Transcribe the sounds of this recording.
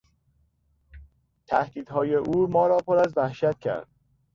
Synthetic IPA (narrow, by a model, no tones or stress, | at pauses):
t̪ʰæhd̪iːd̪̥ɦɒːjeʔuːmɒːɾɒːpʰoɾæzvæhʃæt̪̚cʰæ̰ɾd̪̥̚